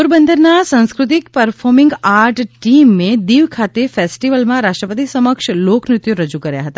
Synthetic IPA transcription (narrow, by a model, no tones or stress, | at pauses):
puɾbənd̪ʱəɾnasə̃nskɾʊt̪̬ikpəɾfɔɾmɪ̃ŋɡaɾʈʈimːẽd̪iʋkʰat̪efesʈiʋəlmãɾaʃʈɾəpət̪isəməkʃloknɪt̪juɾəd͡ʒukəɾja̰ɦət̪a